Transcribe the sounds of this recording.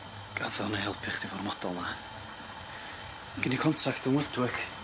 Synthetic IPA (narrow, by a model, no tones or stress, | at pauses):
ɡ̥aðɔnahɛlˠpʰɪχd̥ivɔrmɔd̥ɔlˠna | ɡ̥ɪnikʰɔntʰakʰd̥ənwɛdwɪk